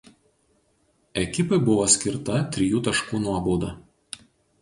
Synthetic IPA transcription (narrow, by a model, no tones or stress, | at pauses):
ɛkʲɪpɐɪbʊʋoːsʲkʲɪɾt̪ɐt̪ʲɾʲɪjuːt̪ɐʃkuːnuɔboːd̪ɐˑ